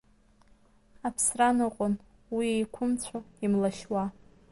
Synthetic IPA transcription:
apʰsranɨqʼʊn | wiejkʷʰʊmt͡ɕʷʰaimlaʃwa

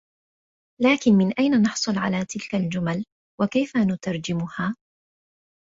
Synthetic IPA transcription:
laːkɪnmɪnʔajnanɑħsˤʊlʕalaːt̪ɪlkald͡ʒʊmal | wakajfanʊt̪ɑɾˤd͡ʒɪmʊhaː

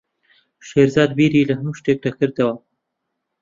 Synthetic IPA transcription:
ʃeɾzɑːd̪biɾilɐhnuʃʈek̚ʈak̚kəɾt̪ewa

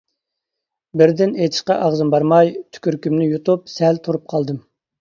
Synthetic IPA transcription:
bɪɾd̪ɪnejt̪ʰɪ̥ʃqɑʔɑʁzɨmbɑɾmɑjt̪ʰy̥kʲyɾkʲymnɪjut̪up̚sɛlt̪ʰuɾup̚qʰɑlˠd̪ɨm

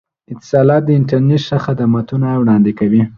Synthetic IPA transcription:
ɪt̪ːɪ̥sɑlɑt̪̚d̪əɪɳʈaɾneʈʃaxad̪amat̪unawɽɑnd̪ɪkawi

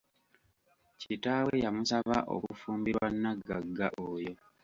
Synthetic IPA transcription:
citaːwejamusaβaʔo̰kufuːmbiɾwanːaɡːaɡːa̰ʔoːjo̞

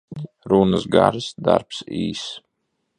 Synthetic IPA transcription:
ɾunəsɡaɾsd̪aɾpsiːs

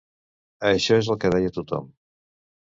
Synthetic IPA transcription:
əʃɔezəlˠkəðɛjət̪ut̪ɔ̰m

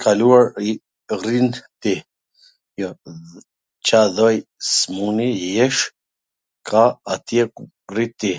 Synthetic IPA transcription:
kʰaluaɾi | rint̪i | jɔ | t͡ʃaðɔj | smunijɛʃ | kʰaat̪jɛk | rit̪i

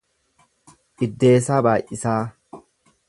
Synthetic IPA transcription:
ʔɪd̪ːe̞ːsaːbaːʔɪsaː

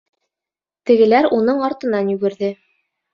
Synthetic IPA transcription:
t̪ɘ̆ɡɘ̆læɾunɤɴɑɾt̪ɤ̆nɑnjʉɡɘ̆ɾðɘ

